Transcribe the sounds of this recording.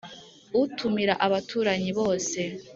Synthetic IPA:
utʰumiɾaʔaβatʰuːɾaɲiβo̞ːse̞

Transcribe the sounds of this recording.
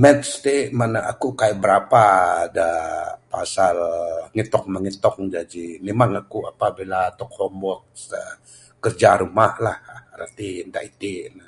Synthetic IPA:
mɛt̪st̪emanaʔakukajʔ̚bəɾapaːdapasalŋit̪ɔk̚məŋit̪ɔk̚d͡ʒad͡ʒimemaŋakuapabilat̪ɔk̚hɔmbɔt̚ə | kərd͡ʒaɾumahlahɾə̰t̪iənd̪a̰ʔit̪inə

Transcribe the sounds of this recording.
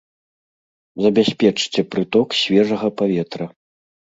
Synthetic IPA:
zɐbʲasʲpʲɛt͡ʂt͡sʲɛpɾɨt̪ɔksʲvʲɛʐɐɣɐpavʲɛt̪ɾɐ

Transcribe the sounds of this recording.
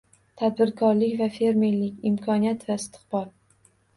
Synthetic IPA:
t̪ʰad̪̚bɪɾkʰɒɾlɪkʲvafe̞ɾme̞ɾlɪkʲɪmkʰɒnijat̪vaɪst̪ʰɨ̥qbɒl

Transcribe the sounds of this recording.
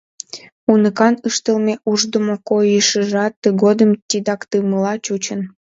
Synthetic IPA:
unəkɑnəʃt̪əlmeʔuʒd̪əmokojəʃəʒɑt̪ːəɡod̪əmt̪ʲid̪ɑkt̪ɯməlɑt͡ɕut͡ɕən

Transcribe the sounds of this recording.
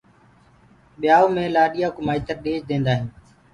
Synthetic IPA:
ɓɪjaːoːmẽːlaːɗijaːkʊmaːit̪əɾɗeːd͡ʒd̪ẽːnd̪aːɦɪ̃ː

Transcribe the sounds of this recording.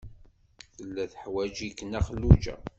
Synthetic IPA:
θəlːæθəħwæd͡ʒikːənæχəlːud͡ʒæ̰

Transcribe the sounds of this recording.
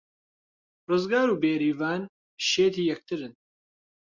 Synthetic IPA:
rɨzɡaːɾuːbeːɾiːvaːn | ʃeːt̪ʰiːjɛk̚t̪ʰɨɾɨn

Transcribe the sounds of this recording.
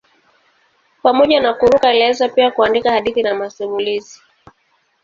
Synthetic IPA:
pamɔʄanakuɾukalɛzapiakuandikahaɗiθinamasumulizi

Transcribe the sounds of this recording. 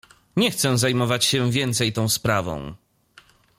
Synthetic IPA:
ɲɛxt̪sɛ̃zajmɔvat͡ɕɕɛ̃vʲjɛnt̪sɛjt̪ɔ̃w̃spɾavɔ̰̃w̃

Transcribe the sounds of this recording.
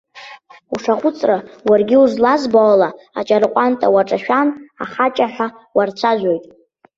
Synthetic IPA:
uʂaχʷʊt͡sʼrawarɡʲɪuzlazbaːla | a̰t͡ʃʼarqʷʼantʼawaʈ͡ʂʼaʃᶣana̰χat͡ʃʼaħʷᶣa | wart͡ɕʷʰaʒʷᶣo̞jtʼ

